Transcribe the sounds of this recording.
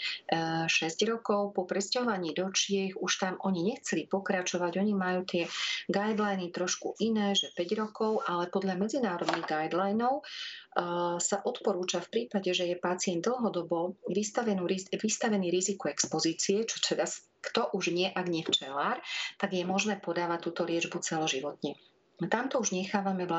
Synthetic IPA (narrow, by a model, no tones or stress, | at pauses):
ʃɛzɟɾɔkɔʊpɔpɾɛscaɦɔʋaɲiːd̪ɔt͡ʃɪɛxuʃt̪amʔɔɲiɲɛxt͡sɛlipɔkɾat͡ʃɔʋaɟɔɲimajuːt̪ɪɛɡajd̪lajnit̪ɾɔʃkuʔinɛːʒɛpɛɟɾɔkɔʊʔalɛpɔd̪ʎamɛd͡zinaːɾɔd̪niɣɡajd̪lajnɔʊ | saʔɔt̪pɔɾuːt͡ʃafpɾiːpaɟɛʒɛjɛpat͡sɪɛnd̪l̩ˠɦɔd̪ɔbɔʋist̪aʋɛnuːɾiʋist̪aʋɛniːɾizikuɛkspɔziːt͡siɛt͡ʃɔ̥t̪ʰɛd̪as | kt̪ɔʔuʒɲɪɛʔaɡɲɪɛft͡ʃɛlaːɾt̪aɡjɛmɔʒnɛːpɔd̪aːʋact̪ːuːt̪ɔlɪɛd͡ʒbut͡sɛlɔʒiʋɔt̪ɲɛ | t̪amt̪ɔuʒɲɛxaːʋamɛʋa